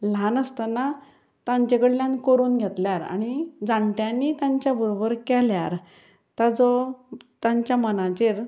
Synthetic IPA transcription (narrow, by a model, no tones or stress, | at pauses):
l̤anəst̪əna | t̪ãɲt͡ɕekəɽljãnkoɾuːnɡʱet̪ljaɾa̰ɽ̃id͡zãɳʈjanːiːt̪ãɲt͡ɕjabʱuɾobəɾkɛljaɾ | t̪ad͡zɔt̪ãɲt͡ɕjamənãt͡ɕeɾ